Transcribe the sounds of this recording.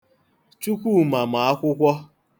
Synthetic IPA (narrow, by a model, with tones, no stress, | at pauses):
t͡ʃu˦kʷu˦ma˨m̩a˨a˦kʷʊ˦kʷɔ˦